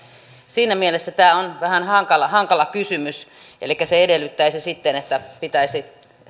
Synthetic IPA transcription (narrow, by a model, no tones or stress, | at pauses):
siːnæmielesːæt̪æːonʋæhænhɑŋkɑlɑhɑŋkɑlɑkysymys | ʔḛlikːæseedelːˑyt̪ːæisisit̪ːenet̪ːæpit̪æisi